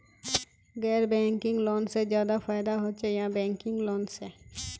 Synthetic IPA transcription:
ɡɛːɾbɛ̃ːŋkɪ̃ŋɡloːnsed͡ʒjaːd̪afaːɪd̪aɦoːt͡ʃejãbɛ̃ːŋkɪ̃ŋɡloːnse

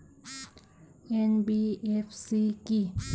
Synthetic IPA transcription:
ɛnbiɛfsiki

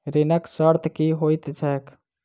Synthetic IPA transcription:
ɾenəksəɾt̪ʰkiɦojt̪t͡ʃʰɛk

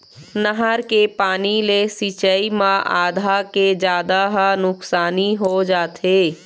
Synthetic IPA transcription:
nəɦəɾkepaːnilesit͡ʃəimãʔa̰ːd̪ʱaked͡ʒjaːd̪aɦnʊksaːniɦod͡ʒaːt̪ʰeː

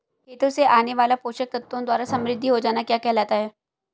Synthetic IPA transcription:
kʰeːt̪oseʔaːneʋaːlapoːʃək̚t̪ɐt̪ːwõd̪waːɾasɐ̃mɾɪd̪ʱːiɦod͡ʒaːnakjaːkɛɦlaːt̪aɦɛː

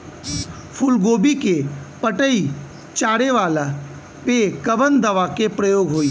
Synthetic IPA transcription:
pʰʊlɡoːbikepəʈəi | t͡ʃaːɽeʋaːla | pekəʋənd̪əʋakepɾəjoːɡɦoːi

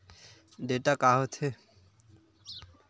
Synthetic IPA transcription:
ɖeʈakaɦot̪ʰe

